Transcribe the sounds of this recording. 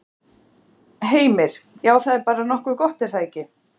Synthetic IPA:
ɦeːjmɪɾ̥jaːwθaðɛɾpaːɾanɔhkʏkɔht̪ɛɾ̥θacːɪ

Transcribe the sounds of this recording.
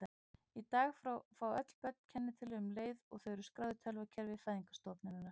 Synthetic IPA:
it̪aːɣffɾawœt̪l̥pœt̪̚n̥cʰɛnːɪt̪ʰɪlʏʏmleːjðɔɣθœɥɾʏskɾaːðʏt̪ʰɛlvacʰɛɾvɪfajðiŋkḁst̪ɔpnɪnɪna

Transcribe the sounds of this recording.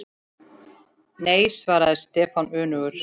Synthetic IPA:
neːjsvaːɾaðɛst̪ɛːfanʏːnʏɣʏɾ̥

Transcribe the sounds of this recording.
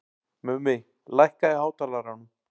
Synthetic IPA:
mɛmɪɣ | lajhkaɪhaːwt̪ʰaːlaɾanʏm

